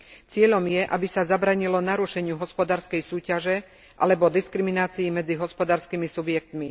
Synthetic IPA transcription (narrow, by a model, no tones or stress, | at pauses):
t͡sɪɛʎɔmjɛʔabisazabɾaːɲilɔnaɾuʃɛɲɪuɦɔspɔd̪aːɾskɛjsuːcaʒɛ | ʔa̰lɛbɔd̪iskɾiminaːt͡siːmɛd͡ziɦɔspɔd̪aːɾskimisubjɛk̚t̪mi